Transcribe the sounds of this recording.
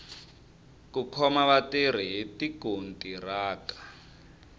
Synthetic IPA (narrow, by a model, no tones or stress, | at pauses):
kukʰɔmaβateɾ̤iɦitiɡ̥ʱontʼiraːkḁ